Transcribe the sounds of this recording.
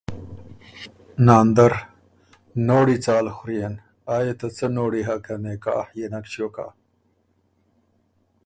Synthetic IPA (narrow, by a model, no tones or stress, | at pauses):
naːnd̪ɐɾ | noːɽit͡saːlxʊɾijen | aːjet̪at͡sənoːɽiɦakɐmeːka̰ːhjenɐkɕjoka̰ː